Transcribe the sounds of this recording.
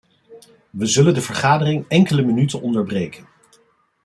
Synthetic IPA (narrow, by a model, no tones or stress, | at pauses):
ʋəzɵləndəvəɹχaːdərɪŋɛŋkələmənytənʔɔndəɹbrejkʰən